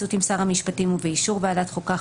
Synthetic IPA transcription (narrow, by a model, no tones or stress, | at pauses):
ut̪imsaʁamiʃpatimuveiʃuʁvealat̪χuka